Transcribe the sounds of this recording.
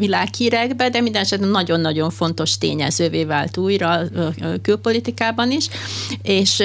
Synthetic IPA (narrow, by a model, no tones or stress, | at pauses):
vilaːkhiːɾɛɡbɛd̪ɛmind̪ɛnɛʃɛt̪nːɒɟo̞nːɒɟo̞ɱfo̞nt̪o̞ʃt̪ḛːɲɛ̰zøːveːvaːlt̪uːjrɒkylpo̞lit̪ikaːbɒniʃeːʃ